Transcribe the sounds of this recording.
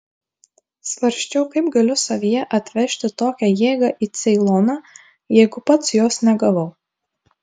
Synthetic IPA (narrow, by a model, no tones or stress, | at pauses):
sʋɐɾʲʃʲt͡ʃʲɛʊkɐɪpɡɐlʲʊsɐʋʲijɛʔɐt̪ʲʋʲɛʃʲt̪ʲɪt̪oːkʲɛjeːɡɑʔiːt̪sʲɛɪlˠɔnɑ | jɛɪɡʊpɐt̪sjoːsnʲɛɡɐʋɐʊ